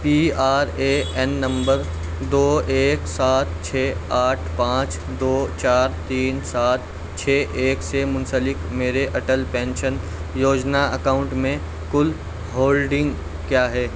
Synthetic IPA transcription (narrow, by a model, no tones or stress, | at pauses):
piːaːɾeɛnːɐ̃mbəɾ | d̪oːeːksaːt̪̚t͡ʃʰɛːaːʈʰpãːt͡ʃ | d̪oːt͡ʃaːɾt̪iːnsaːt̪̚ʰ | t͡ʃʰeːʔeːksemʊ̃nsəlɪkmeːɾeʔɐʈəlpɛ̃ːnʃən | joːd͡ʒnaəkaːʊ̃ɳʈmẽ | kʊl | ɦoːlɖɪ̃ŋɡ | kjaːɦɛː